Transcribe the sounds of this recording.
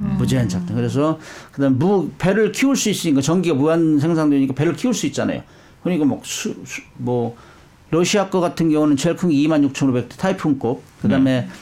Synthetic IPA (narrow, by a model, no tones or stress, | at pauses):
mud͡ʑeant͡ɕʰak̚t͈ɯkɯɾe̞s̬ʰʌkɯdamemupeɾɯɭkʰiuɭs͈uis͈ɯɲik̬͈at͡ɕʌŋɡiɡamuans̬ʰe̞ŋsʰaŋdoeɲik͈ape̞ɾɯɭkʰiuɭs͈uit̚t͡ɕ͈ana̰jo̰ | kɯɲiɡamosʰusmʌ | ɾʌɕʰiɦak͈ʌɡatʰɯnɡjʌŋunɯnt͡ɕʰeɭkʰɯŋiimanjuk̚t͡ɕʰʌŋɾobe̞k̚t͈e̥tʰaipʰuŋk͈op̚kɯdame̞